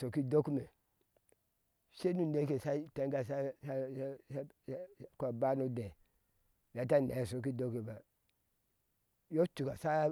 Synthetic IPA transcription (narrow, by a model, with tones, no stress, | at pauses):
so˨ki˦do˦ku˦me˨ | ʃe˦nu˦˨de˦ke˨sa˦te˦ŋɡa˦sa˦s | kʷa˨ba˦no˦de˨ | ja˨ta˦nḛ˨so˨k̬i˦do˦ke˨ba˨ | jo˦tu˨ka˨sa˦